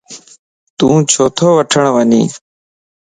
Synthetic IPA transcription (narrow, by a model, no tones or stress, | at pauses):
t̪ũːt͡ʃʰoːt̪ʰoːʋəʈʰəɳʋəɲḭː